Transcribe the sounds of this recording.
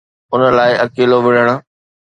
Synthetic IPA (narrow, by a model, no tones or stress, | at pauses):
ʊnəlaːɪɐkeːloʋɪɽ̤əɽ̃ʊ̆